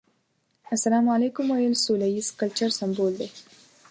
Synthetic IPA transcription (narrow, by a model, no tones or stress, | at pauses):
asalaːmalekʊmwajəlsulajiskalt͡ʃaɾsamboːld̪e